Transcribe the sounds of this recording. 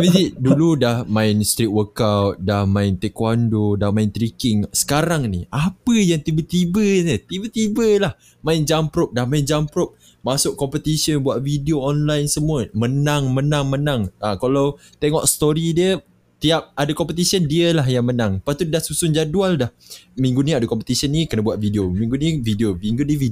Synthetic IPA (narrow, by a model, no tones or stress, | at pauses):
mid̪iduludahmãɪnst̪ɾit̪̚wəkawt̪̚dahmãɪnt̪ɛkwandodahmaɪnt̪ɾikɪŋsə̥kaɾaŋnḭʔapəjaŋt̪ibət̪ibənət̪ibət̪ibəlah | mãɪnd͡ʒampɾɔp̚dahmaɪnd͡ʒampɾɔp̚ | masʊʔkːɔmpət̪isənbuaʔ̪̚vidioɔnlajnsəmuəmənaŋmənaŋmənãŋʔakalaw | t̪ɛŋɔʔst̪oɾidiə | t̪iap̚adakɔmpət̪isiəndiəlaɦjaŋmənãŋpat̪udahsusʊnd͡ʒadualdahmĩŋɡuniadakɔmpət̪isiənikənabuaʔ̪̚vidiomĩŋɡuniəvidioviŋɡudiəvi